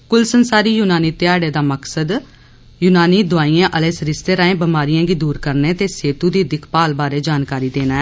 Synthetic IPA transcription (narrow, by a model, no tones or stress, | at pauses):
kʊlsənsaːɾiːjuːnaːniːt̪ɪjaːɽeːd̪aːməksəd̪ | jʊnaːniːd̪ʊaːiːãːʔəleːsɾɪst̪eːɾaːẽːbəmaːɾijãːɡiːd̪uːɾkəɾneːt̪eːseːt̪uːd̪iːd̪ɪkʰpaːlbaːɾeːd͡ʒaːnkaːɾiːd̪eːnaːɛ